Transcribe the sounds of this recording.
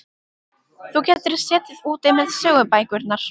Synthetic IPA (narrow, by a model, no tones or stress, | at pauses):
θucɛːt̪ɪɾsɛːt̪ɪðuːt̪ɪmɛðsœːɣʏpajkʏɾt̪naɾ̥